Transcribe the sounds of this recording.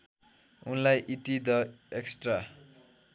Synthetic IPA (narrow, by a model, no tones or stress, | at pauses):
unlajʔiʈid̪ʌ | eksʈra